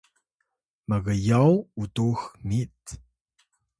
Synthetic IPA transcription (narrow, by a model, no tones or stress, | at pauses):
məɣəjawutuxmit